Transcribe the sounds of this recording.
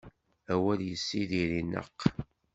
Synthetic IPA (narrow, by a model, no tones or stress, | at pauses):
æwæljəsːiðiɾinə̰qː